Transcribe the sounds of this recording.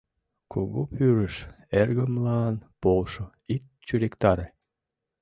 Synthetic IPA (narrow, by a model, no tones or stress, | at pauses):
kʰoɣopyɾəʃ | erɣəmlɑnpolʃo | ik̪̚ | t͡ɕyɾekt̪ɑɾe